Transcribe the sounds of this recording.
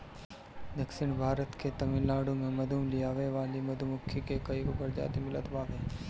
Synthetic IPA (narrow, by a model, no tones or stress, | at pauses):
d̪ɐksɪɳbʱaːɾət̪ket̪ɐmɪlːaːɽõmẽmɐd̪ʱumlijaːʋeʋaːlimɐd̪ʱumʊkʰːikekəikobəɾd͡ʒa̰ːt̪imɪlət̪baːʋeː